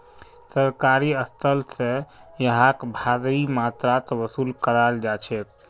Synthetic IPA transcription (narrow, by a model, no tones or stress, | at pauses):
səɾkaɾiəst̪ʰəlsə̃jəɦakbʱad̪ɾimat̪ɾat̪ʋəsuːlkəɾald͡ʒat͡ʃʰɛk